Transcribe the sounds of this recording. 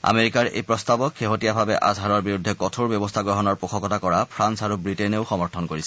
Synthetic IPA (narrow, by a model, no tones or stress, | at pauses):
a̰meɹikaɹḛjpɹɔstabɔkxeɦotijabʱabɛʔa̰zʱaɹɔɹbiɹudʱːɛkɔtʰoɹbjɔbɔstʰaɡɹɔɦɔnɔɹpokʰɔkɔtakɔɹapʰɹansaɹubɹitɛneʊxɔmɔɹtʰɔnkoɹisɛ